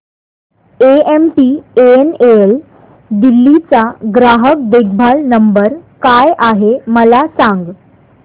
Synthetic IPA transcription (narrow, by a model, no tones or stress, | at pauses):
eemʈiːeeneel | d̪ilːit͡saɡɾaɦək̚d̪eɡ̚ʰbʱalnəmbəɾkajʔaɦeməlasaŋɡ